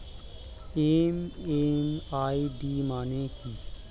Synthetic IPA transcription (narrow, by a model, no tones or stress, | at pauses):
emeːmaːiɖiːmaːnẽkiː